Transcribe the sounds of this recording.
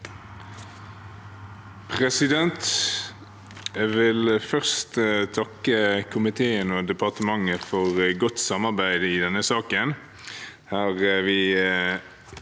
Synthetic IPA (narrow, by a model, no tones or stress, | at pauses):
pʰʁɛsɪd̪ɛnt̪ | ʋɪlfœʁst̪t̪ʰɑkːəkʰʊmɪt̪ʰeːənɔd̪ɛpɑʁt̪əmɑŋːəfɔʁɡʊt̪sɑmɑʁbæɪd̪ɪd̪ɛnːəsɑːkən | hæːʁʋɪ